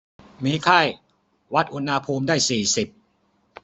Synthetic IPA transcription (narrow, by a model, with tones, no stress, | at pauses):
miː˧kʰa˥˩j | wa˦˥t̪̚ʔu˧nha˧pʰuː˧mdaː˥˩jsiː˨˩si˨˩p̚